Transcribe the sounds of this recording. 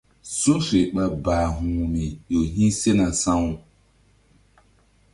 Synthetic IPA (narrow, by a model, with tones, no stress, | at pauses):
so˦fe˨ɓa˨baː˨ɦũː˨mi˨ɗo˨ɦĩ˦se˦na˨sã˦wu˦